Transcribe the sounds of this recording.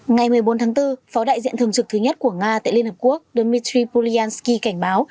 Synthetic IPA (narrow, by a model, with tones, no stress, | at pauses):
ŋa˨˩jmɨ˨˩əjɓo˨˦nt̪ʰaː˨˦ŋt̪ɨ˧fɔ˨˦ɗa̰ː˧˨jzḭ˧˨nt̪ʰɨ˨˩əŋt͡ɕɨ˨˩k̚t̪ʰɨ˨˦ɲə˦˥t̚ku˧˩əŋaː˧t̪a̰ː˧˨jli˧nhə˨˩p̚ku˦˥ək̚ɗo˧mi˧t̪ɾi˧pu˧li˧aː˧nski˧ka˧˩jŋ̟ɓaː˨˦w